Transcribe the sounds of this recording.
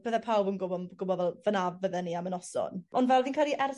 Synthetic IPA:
b̥əðɛpʰawbənɡʊbɔɡʊbɔðɛlˠvənavəðɛniamənɔsɔ̰nɔndvɛlˠviːnkʰalˠiʔɛr

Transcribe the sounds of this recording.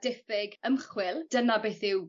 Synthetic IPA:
d̥ɪfɪɡəmχwɪlˠd̥ənabejθɪw

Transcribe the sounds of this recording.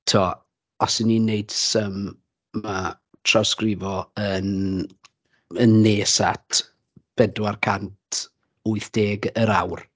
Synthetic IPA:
tʰɔ | ɔsɪnːineɨd̥səmː | a | tʰrɔskrɪvɔən | ənːeːsatʰ | b̥ɛdwarkʰantʰ | uɨθd̥eːɡəɾawr

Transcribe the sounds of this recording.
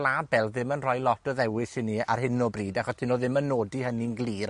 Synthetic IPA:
labɛlˠðɪmənrɔjlˠɔtɔðɛwɪsɪnia̰rɦɪnɔbriːdaχɔstʰɪnoːðɪmənːoːdihəninɡlˠiːɾ

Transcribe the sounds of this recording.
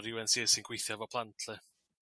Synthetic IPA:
ɾɪwɛnsiːsɪnɡ̥wejθjavɔpʰlˠantʰlˠɨ

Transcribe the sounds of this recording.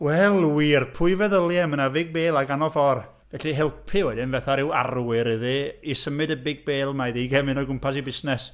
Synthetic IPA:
wɛlˠwiːrpʰʊɨvɛðəlˠjɛmənavɪɡ̚beːlˠaɡanɔfɔr | vɛɬiɦɪlˠpʰɪwɛdɪnvɛθaɾɪwa̰rwɪɾɨðiisəmɨdəbɪɡ̚beːlˠmaðiɡɛmɨnɔɡʊmpʰas̬ibɪsnɛs

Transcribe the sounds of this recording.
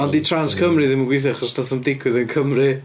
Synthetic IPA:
ɔnditʰranskʰəmrɨðɪməɡwɪθɪaχɔsnaθəmdɪɡwɨðənkʰəmrɨ

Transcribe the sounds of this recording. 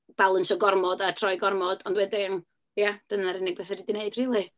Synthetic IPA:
b̥alˠənsɔɡɔrmɔdatʰrɔjɡɔrmɔd̥ɔndwɛdɪn | jad̥ənaɾɪnɪɡbɛθɛdidineɨd̥r̥iːlˠi

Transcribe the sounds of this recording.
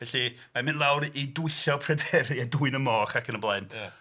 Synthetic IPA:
vɛɬi | mamɪnlˠawɾiduɨɬɔpʰrɛdɛɾjaduɨnəmɔːχakʰənəblˠaɨn

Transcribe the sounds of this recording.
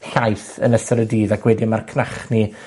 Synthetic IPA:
ɬajθə̰nəsɔɾədiːðakʰwɛdimarkʰnaχni

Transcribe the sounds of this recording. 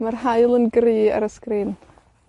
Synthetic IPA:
marhaɨlˠənɡrɨːə̰ɾəskriːn

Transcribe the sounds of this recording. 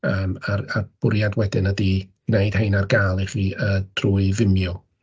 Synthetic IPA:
əːmararb̥ʊɾjadwɛdɪnədiɡ̥neɨd̥hejnarɡaːlˠiχiːəd̥ʰruːɨvɪmjɔ

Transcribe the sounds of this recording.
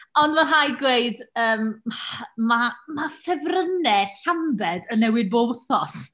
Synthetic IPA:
ɔndmaɦajɡweɨdəːm | mamafɛvrənɛɬambɛdənːɛwɪd̚bowθɔs

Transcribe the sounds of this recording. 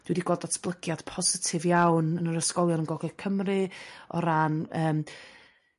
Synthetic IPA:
d̥wɪdiɡɔdatʰb̥lˠəɡjad̥pʰɔzɪtʰɪvjawnənəɾəskɔlˠjɔnənɡɔɡɛkʰəmrɨɔ̰ɾanəːm

